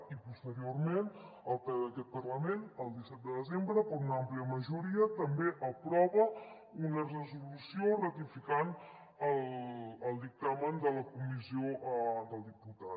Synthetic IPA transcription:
ipust̪əɾiormen | əlˠpðəkɛt̪̚pərləmenəlˠd̪isɛt̪̚d̪əðəzembɾəkɔɾunampliəməʒuɾiət̪əmbeʔəpɾɔβə | unərəzulusiorət̪ifikan | ələlˠd̪ik̚t̪amənd̪ələkumiziod̪əlˠd̪iput̪a

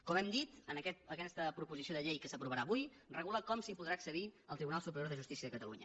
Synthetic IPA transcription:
kɔmɛmd̪it̪ənəkɛt̪̚əkɛst̪əpɾupuzisioðəʎejkəsəpɾuβəɾaːβuj | rəɣuləkɔmsipuðɾaksəðiəlˠt̪ɾiβunalˠsupəɾijoɾðəʒust̪isiəðəkət̪əlṵɲə̰

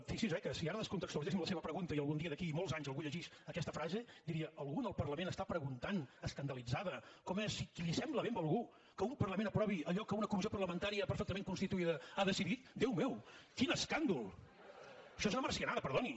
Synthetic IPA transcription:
fisizɛkəsiaɾəðəskont̪əksuɾt̪esimləseβəpɾəɣunt̪əiəlˠɣuniəðəkiːmɔlˠzaɲzəlˠɣuʎəʒis | əkɛst̪əfɾazed̪iɾiəʔəlˠɣunəlˠpərləmenəst̪apɾəɣunt̪anəskənd̪əlid͡zaðəkɔmɛsikilisɛmbləβembəlˠɣu | kəumpərləmẽnəpɾɔβiəʎɔkəunəkumiziopərləmənt̪aɾiəpəɾfɛkt̪əmẽŋkunst̪it̪uiðəaðəsiðit̪d̪ewmɛwkinəskand̪ulˠ | əʃɔezunəmərsiənaðəpəɾðoni

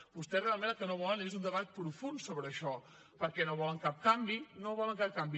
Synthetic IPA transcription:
bust̪ɛsrealˠmenəlˠkənoβɔlənezund̪əβat̪̚pɾufunsoβɾəːʃɔ | pəɾkɛnoβɔləŋkap̚kambinoβɔləŋkap̚kambi

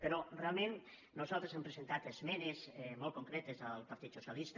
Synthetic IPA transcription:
peɾorealˠmẽn | nozalˠt̪ɾesempɾesent̪at̪ezmɛnezmɔlˠt̪̚koŋkɾɛt̪ezəlˠpaɾt̪it̪susjalist̪

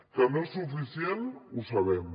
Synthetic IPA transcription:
t̪ɐ̃mẽsufisiẽnt̪usɐβemu

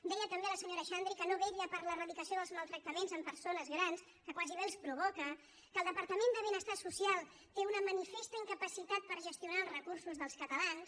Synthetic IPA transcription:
d̪ɛjət̪əmbeələsəɲoɾəʃand̪ɾikənoβɛʎəpəɾlərəðlikəsioðəlˠzməlˠt̪ɾək̚t̪əmenzəmpəɾsonəzɣɾans | kəkwaziβelˠspɾuβ̞ɔkə | kəːlˠd̪əpəɾt̪əmend̪əβenəst̪asusialˠ | t̪eunəmənifest̪əiŋkəpəsit̪at̪̚pəɾʒəst̪iunaəlˠzrəkuɾsuzðəlˠskət̪əlans

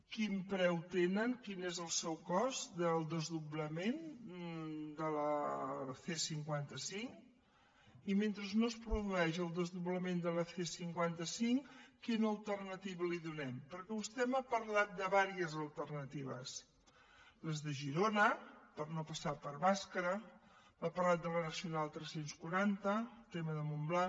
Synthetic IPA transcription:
kimpɾɛwt̪enəŋkinezəlˠsɛwkɔzd̪əlˠd̪əzðuβləmen | d̪ələθesiŋkwant̪əsiŋ | iment̪ɾəznospɾuðuɛʒəlˠd̪əzðuβləmend̪ələθesiŋkwant̪əsiŋkinəlˠt̪ərnət̪iβəliðunɛmpəɾkɛust̪ɛməpəɾlat̪̚d̪əβaɾiəzəlˠt̪ərnət̪iβ̞ə̰s | ləzðəʒiɾonəpəɾnopəsapəɾβaskəɾə | mapərlat̪̚d̪ələnəsiunalˠt̪ɾɛsenskwuɾant̪ət̪eməðəmumbla

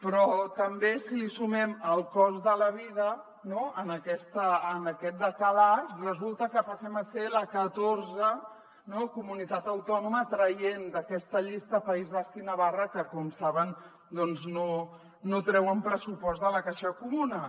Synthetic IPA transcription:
pɾɔt̪əmbesilisumɛməlˠkɔzðələβiðə | noənəkɛst̪əːnəkɛt̪̚d̪əkəlasrəzulˠt̪əkəpəsɛməseləkət̪orzə | nokumunit̪at̪əwt̪ɔnumət̪ɾəjend̪əkɛst̪əʎist̪əpəizβast̪inəβarəkəkɔmsaβən | d̪ɔnzno | not̪ɾɛwəmpɾəsupɔzt̪ðələkaʃəkumunə

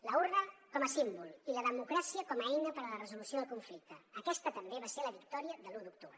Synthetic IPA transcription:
ləurəkɔməsimbulˠiləðəmukɾasiəkɔməɛjnəpəɾələrəzulusioðəlˠkuɱflik̚t̪əːkɛst̪ət̪əmbeβaseɾləβik̚t̪ɔɾiəðəluðuk̚t̪uβɾə

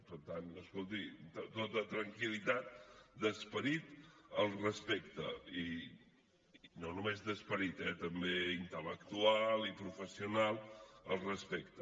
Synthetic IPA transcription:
pəɾt̪anəskolˠt̪̬it̪t̪ot̪ət̪ɾəŋkilit̪at̪̚d̪əspəɾit̪əlˠrəspek̚t̪ə̰i | nonumezðəspəɾit̪ɛt̪əmbeint̪ələkt̪ualˠipɾufəsiunalˠəlˠrəspekt̪ə

